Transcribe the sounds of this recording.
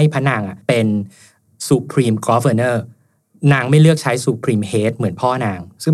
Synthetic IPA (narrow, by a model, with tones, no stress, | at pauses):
a˥˩jpʰa˦˥nːaː˧ŋʔa˨˩pe˧n | suː˧pʰɾiː˧mkɔː˦˥fəː˧nɤː˥˩ | naː˧ŋma˥˩jɾɯ˥˩ək̚t͡ɕʰa˦˥jsuː˧˩pʰɾiː˧mheː˦˥t̪̚mɯ˩˦ənpʰɔː˥˩naː˧ŋsɯ˥˩